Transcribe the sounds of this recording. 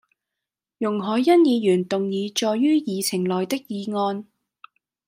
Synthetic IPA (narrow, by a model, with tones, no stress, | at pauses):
jʊ˨˩ŋɦɔː˨˧jːɐ˥njiː˨˧jyː˨˩nt̪ʊ˨ŋjiː˨˧t͡ʃɔː˨jːyː˥jiː˨˧t͡sʰɪ˨˩ŋlɔː˨jt̪ɪ˥k̚jiː˨˧ŋɔː˧n